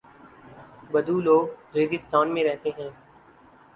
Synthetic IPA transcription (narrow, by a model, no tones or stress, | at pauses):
bəd̪ʱuːloːɡɾeːɡɪst̪aːnmẽɾɛɦt̪eɦɛ̃ː